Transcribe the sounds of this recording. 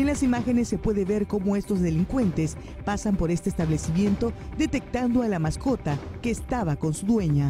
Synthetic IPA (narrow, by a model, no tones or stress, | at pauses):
enlasimaxe̞ne̞sːe̞pwe̞ðeβe̞ɾko̞mo̞e̞st̪o̞zðe̞liŋkwe̞nt̪e̞s | pasampo̞ɾe̞st̪eːst̪aβlesimje̞nt̪o̞d̪e̞t̪e̞k̚t̪and̪o̞alamasko̞t̪ake̞ːst̪aβako̞nsuðwe̞ɲa